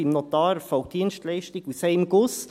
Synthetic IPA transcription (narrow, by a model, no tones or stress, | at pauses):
imnɔt̪ɑːɾfawd̪iənʃtlɛɪʃtiɡuseɪmɡʊs